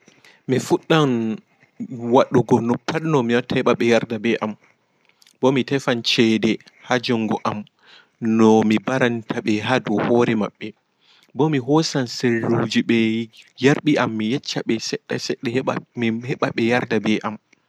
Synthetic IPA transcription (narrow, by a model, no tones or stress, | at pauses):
mifuɗːan | waɗuɡɔnɔpːaɗnɔmiwatʰːahɛɓaɓɛjaɾdabɛʔam | bɔmitɛfant͡ʃɛdɛ | had͡ʒɔŋɡɔʔam | nɔmibaɾantʰaɓɛɦadɔhɔːɾɛma̰ɓːɛ | bɔmiɦɔsanselːud͡ʒiɓɛjaɾɓiʔamːijɛt͡ʃːaɓɛsɛɗːasɛɗːɛmihɛɓaɓɛjaɾdabɛʔam